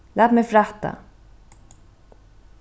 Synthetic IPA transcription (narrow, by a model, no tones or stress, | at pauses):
læːt̪mɛjfɾat̪ːa̰